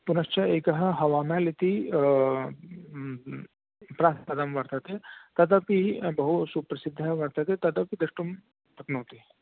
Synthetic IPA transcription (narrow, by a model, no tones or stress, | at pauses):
punɐʃt͡ʃʰɐeːkɐɦɐɦɐʋaːmalit̪i | pɾaːɐd̪ɐmʋɐɾt̪ɐt̪et̪ɐd̪ɐpibɐɦusupɾɐsɪd̪ʱːɐʋɐɾt̪ɐt̪et̪ɐd̪ɐpid̪ɐʂʈum | ppɐknɐwt̪i